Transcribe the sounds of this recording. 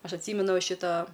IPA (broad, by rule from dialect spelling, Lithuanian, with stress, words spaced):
ˈɐʃ ɐtʲˈsʲiːmʲɛnʊ ʋɐ ˈʃʲɪtɐ